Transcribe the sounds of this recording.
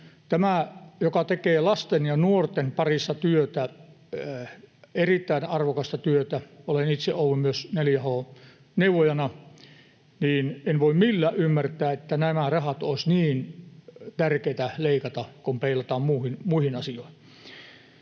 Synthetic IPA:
t̪æmæjokɑt̪ekeːlɑst̪enjɑnuort̪enpɑrist̪ɑt̪yøt̪æ | erit̪ːæinɑrʋokɑst̪ɑt̪yøt̪æolenit̪seʔʔouʋːummyøsneljæhoː | neuʋˑojɑnɑ | niːnenʋoimmilːæːʔʔymːært̪ˑæːet̪ːænæmærɑhɑt̪oˑisniːnt̪ærkeit̪æleikɑt̪ɑkompeilɑt̪ɑːmmuːhinmuihinɑsijoˑihi̥

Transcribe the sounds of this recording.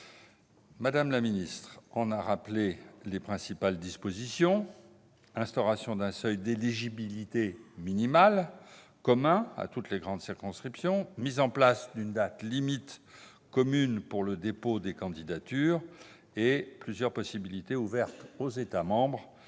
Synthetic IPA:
mad̪amlaminist̪χɑ̃naʁaplelepχɛ̃sipald̪ispozisjɔ̃ | ɛ̃st̪ɔʁasjɔ̃d̪ɛ̃sœjd̪eliʒibilit̪eminimal | kɔmɛ̃a̰t̪ut̪leɡʁɑ̃d̪siʁkɔ̃skχipsjɔ̃mizɑ̃plasd̪ynd̪at̪limit̪ | kɔmynpuʁləd̪epod̪ekɑ̃d̪id̪at̪yːʁ | eplyzjœʁpɔsibilit̪euvɛʁt̪ozet̪amɑ̃bʁ

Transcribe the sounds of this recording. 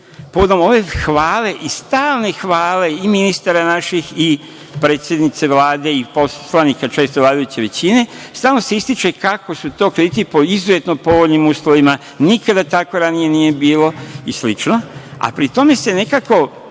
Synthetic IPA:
poʋod̪o̞mo̞ʋe̞xʋaːle̞ʔist̪aːlne̞xʋaːle̞iminist̪aɾanaʃixi | pɾeːt̪sje̞d̪nit̪se̞ʋlaːd̪e̞ipo̞sslanikat͡ʃe̞st̪oʋlˠaːd̪ajut͡ɕeʋe̞t͡ɕine̞st̪aːlno̞seist̪it͡ʃe̞kako̞sut̪o̞ːkɾed̪it̪ipo̞izuzet̪nopo̞ʋoʎnimuːsloʋima | nikad̪at̪ako̞ɾanije̞nije̞biːlo̞islit͡ʃno̞a̰pɾit̪o̞me̞se̞ne̞kako̞

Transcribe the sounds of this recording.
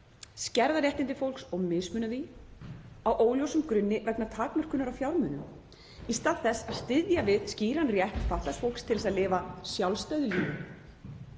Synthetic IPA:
scɛɾðaɾjɛht̪ɪnt̪ɪfowlksɔɣmɪsmʏːnavi | awʔoːwljowsʏmkɾʏnːɪvɛknat̪ʰaːkmœr̥kʏnʏɾawfjawɾmʏnʏm | ist̪aːðθɛsːaðst̪ɪðjavɪðsciːɾanrjɛht̪faht̪lasfowlkst̪ʰɪlsaðlɪːvasjawlst̪œɥðʏliːnʏ

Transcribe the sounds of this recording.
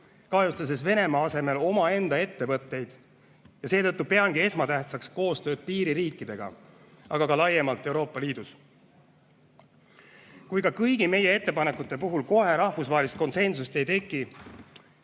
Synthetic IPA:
kɑjust̪ɑs̬esve̞ne̞mɑɑse̞me̞lo̞mɑe̞nd̪ɑe̞t̪ːe̞vɤt̪ːˑe̞jd̪̥ | jɑse̞ːt̪ɤt̪ːˑupe̞ɑŋɡ̥ie̞smɑt̪æht̪sɑksko̞ːst̪ø̞ːd̪̥̚piːɾiɾiːkːˑid̪̥e̞ɡ̥ɑ̰ | ɑɡ̥ɑkɑlɑjemɑlt̪ːˑe̞wɾo̞ːpːˑɑliːd̪us | kujkɑkɤjɡ̥ime̞je̞e̞t̪ːepɑne̞kːut̪ːˑe̞puɦulko̞ɦe̞ɾɑhfusvɑɦelist̪̚ko̞nse̞nsust̪e̞jt̪e̞kːˑi

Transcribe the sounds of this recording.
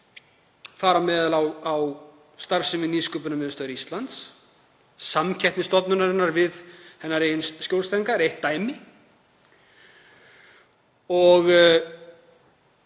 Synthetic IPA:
faːɾamɛːðalawaw | st̪aɾ̥sɪmɪniːskʏːp̬ʏnamɛðst̪œðʏɾist̪lant̪s | samcʰɛhpnɪst̪ɔt̪nʏnaɾɪnːaɾvɪðhɛnːaɾejɪnscjowlsaiŋkaɾejht̪ːaːjmɪ | ɔɣ

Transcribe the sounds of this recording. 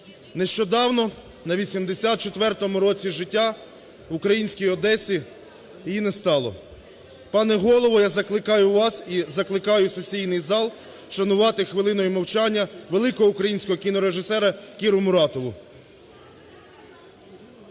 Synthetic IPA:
neʃt͡ʃɔd̪ɑwnɔ | nɐʋʲisʲimd̪esʲat̪̚t͡ʃet̪ʋɛrt̪ɔmʊɾɔt͡sʲiʒɪtʲːa | ʊkɾɐjinʲsʲkʲijɔd̪ɛsʲi | jinɛst̪ɑlˠɔ̰ | pɑnɛɦɔlˠɔʋɔjazɐklˠɪkɑjʊʋɑsizɐklˠɪkɑjʊsesʲijnɪjzɑlˠ | ʃɐnʊʋɑt̪ɪxʋɪlˠɪnɔjʊmɐwt͡ʃɑnʲːɐʋelˠɪkɔɦɔukɾɐjinʲsʲkɔɦɔkʲinɔɾeʒɪsɛɾɐkʲiɾʊmʊɾɑt̪ɔʋʊ

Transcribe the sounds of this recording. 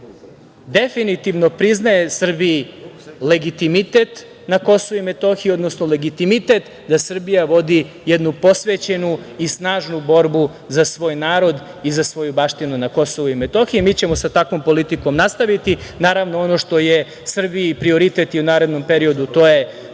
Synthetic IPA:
d̪e̞finit̪iʋno̞pɾiznaje̞sr̩biile̞ɡit̪imit̪e̞t̪ | nako̞soʋuimet̪o̞xiio̞d̪nosnole̞ɡit̪imit̪e̞t̪ | d̪asr̩bijaʋo̞d̪i | jed̪nupo̞sʋeːt͡ɕe̞nuisnaːʒnubo̞ɾbu | zasʋo̞ːjnaːɾo̞d̪ | izasʋo̞jubaʃt̪inunako̞so̞ʋuimet̪o̞xijimiːt͡ɕe̞mo̞sat̪akʋo̞mpo̞lit̪iko̞mnast̪aʋit̪inaːɾaʋnoono̞ʃt̪o̞je̞ | sr̩biipɾio̞ɾit̪et̪jiunaːɾe̞d̪no̞mpeɾio̞d̪ut̪o̞je̞

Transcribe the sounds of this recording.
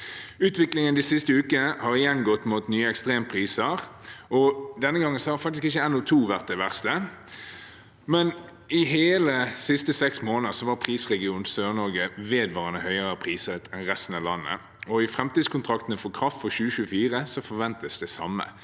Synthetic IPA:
ʉːt̪ʋɪklɪŋənd̪ɪsɪst̪əʉːkəəhɑʁɪjɛnːɡɔt̪ːmuːt̪nyːəɛkst̪ʁeːmpʰʁiːsəʁɔd̪ɛnːəɡɑŋːənsɔhɑfɑkt̪ɪskɪçːəɛnɔt̪ʰuːʋæʁt̪̚d̪ɛʋæʁst̪ə | mɛn | ɪɦeːləsɪst̪əsɛksmoːnəʁsɔʋɑːɾpʰʁiːsʁɛɡɪuːnsøːʁnɔɾɡəʋeːd̪ʋɑːʁənəhœʏəʁɑpʰʁiːsət̪ɛnʁɛst̪n̩ɑʋlɑnːə̰ | ɔɪfɾɛmt̪iːd̪skʊnt̪ʰʁɑkt̪ənəfɔkʰʁɑft̪fɔʁɕʉːəʃʉːfiːʁəsɔfɔʁʋɛnt̪əsd̪ɛsɑ̰mːə̰

